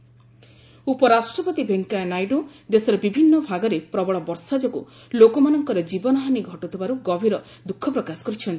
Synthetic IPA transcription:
upɔɾasʈɾɔpɔt̪ibʱeŋkanajɖu | d̪esɔɾɔbibʱinːɔbʱaɡɔɾepɾɔbɔɭɔbɔɾsad͡ʒɔkṵ | lokɔmanɔŋkɔɾɔd͡ʒibɔnɔɦaniɡʱɔʈut̪ʰibaɾuɡɔbʱiɾɔ | d̪ukʰːɔpɾɔkasɔ̥kɔɾit͡ʃʰɔnt̪ʰi̥

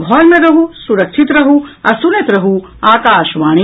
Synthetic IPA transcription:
bʱɔːlmẽɾɐɦusuɾɐkʃʰit̪ɾɐɦuɐsunet̪ɾɐɦu | aːkaːʃʋaːɳ̃i

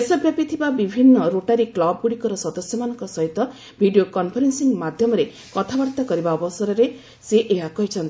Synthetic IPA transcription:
esʌbjapit̪ʰibabibʱinːʌɾoʈaɾiklɔb̚ɡuɽikɔɾɔsʌd̪ɔsjɔmanɔŋkɔsʌɦit̪ɔ | bʱiɖijokɔnpʰɔɾensiŋmad̪ʱjɔmɔɾe | kɔt̪ʰabaɾt̪akɔɾibaːbɔsɔɾɔɾe | seʔeɦakɔɦit͡ʃʰʌnt̪ʰi

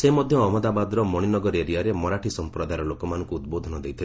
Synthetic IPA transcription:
semɔd̪ʱjɔːmɔd̪abad̪ɔɾɔmɔɽ̃inɔɡɔɾeɾiaɾemɔɾaʈʰisɔmpɾɔd̪aɾɔlokɔmanɔ̃ŋkuːt̪bod̪ʱɔnɔd̪ejt̪ʰil

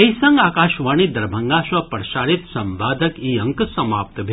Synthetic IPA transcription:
ɐjsə̃ŋɡaːkaːʃʋaɳid̪əɾbʱəŋɡaʃʋɐpəɾʃaːɽit̪sɐ̃mʋaːd̪ʱəkiə̃ŋksɐmaːp̚t̪bʱe

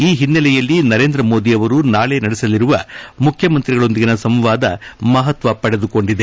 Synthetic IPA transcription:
iːɦinːɐlɛjɐlːinɐɾeːnd̪ɾɐmo̞ːd̪iɐʋɐɾunaːɭe̞nɐɽɛsɐliɾuʋɐmukʰjɐmɐnt̪ɾiɡɐɭo̞nd̪iɡinɐsɐmʋaːd̪ɐmɐɦɐt̪ʋɐpɐɽed̪uko̞ɳɖid̪e̞

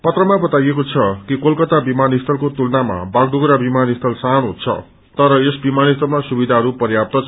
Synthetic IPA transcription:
pʌt̪rʌmabʌt̪ajekot͡sʰʌkikolkʌt̪abimanist̪ʰʌlkot̪ulnama̰baɡ̚ɖuɡɾabimanist̪ʰʌlsaɦnɦṵt͡sʰʌ̰ | t̪ʌɾʌesbimanist̪ʰʌlmasubid̪ʱaɦʌɾupʌrjap̚t̪ʌt͡s

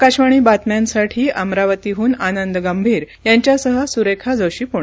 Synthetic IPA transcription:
kaɕʋaɳ̃iːbat̪mjãnsaʈʰiːamɾaʋət̪iɦuːnanənd̪əɡambʱiːɾ | jãɲt͡ɕjasəɦəsuɾekʰad͡zəwɕiːpoɳ

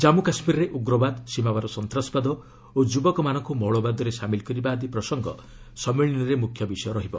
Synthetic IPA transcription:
d͡ʒamukasmiɾɔɾeʔuɡɾɔbad̪simawaɾɔsɔnt̪ɾasɔ̥pad̪ɔ | od͡ʒubɔkɔmanɔŋkumɔɭɔbad̪ɔɾesamilkɔɾibaːd̪ipɾɔsɔŋɡɔ̰ | sɔmiɭinɔɾemukʰjɔbisɔjɔɾɔɦibɔ̰

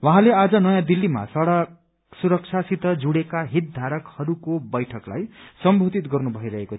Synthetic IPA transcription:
waɦãlead͡zʌnʌjãd̪ilːima̰sʌɽʌk | suɾʌk̚t͡sʰasit̪ʌd͡zuɽekaɦit̪̚d̪ʱaɾʌkhʌɾukobʌjʈʰʌkla̰jsʌmbʱod̪it̪ɡʌrnubʱʌiɾʌɦeko

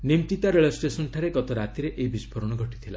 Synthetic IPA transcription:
nimt̪it̪aɾeɭɔsʈesɔnʈʰaɾeɡɔt̪ɔɾat̪iɾeʔeibispʰɔɾɔɽ̃ɔɡʱɔʈi̥t̪ʰila̰

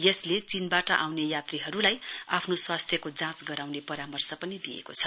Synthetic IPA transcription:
jʌslet͡sinbaʈʌʔawnejat̪riɦʌɾulajapʰnoswast̪ʰjʌkod͡zãt͡sɡʌɾawnepʌɾamʌrsʌpʌnid̪ijḛkot͡sʰʌ

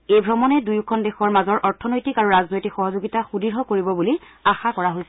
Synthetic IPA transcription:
ejbʱɹɔmɔnɛdujkʰɔndexɔɹmazɔɹʔɔɹtʰɔnojtikaɹuɹaznojtikxɔɦɔzoɡitaxudiɹɦɔkoɹibɔbuli | axakɔɹaɦojsɛ

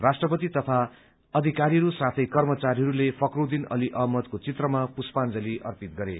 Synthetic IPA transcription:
rasʈrʌpʌt̪it̪ʌpʰa | ʌd̪ʱikaɾiɦʌɾusat̪ʰʌjkʌrmʌt͡saɾiɦʌɾulepʰʌkrod̪inʌ̰liʔʌɦmʌt̪kot͡sit̪rʌmapuspand͡zʌliʔʌ̰rpit̪̚ɡʌɾḛ

